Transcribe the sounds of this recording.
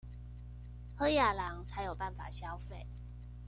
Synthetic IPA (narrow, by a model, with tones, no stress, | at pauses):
hɤ˦ja˨˩la˨˦ŋt͡sʰa˨˥ɪjo˨˩ʊpa˥˩nfa̰˨˩ɕja˦ʊfe˥˨ɪ